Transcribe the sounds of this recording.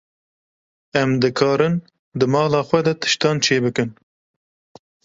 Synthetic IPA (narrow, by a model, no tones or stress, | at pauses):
ɛmd̪ɨkʰɑːɾɨn | d̪ɨmɑːlɑːxwɛd̪ɛt̪ʰɨ̥ʃt̪ɑːnt͡ʃʰeːbɨkɨn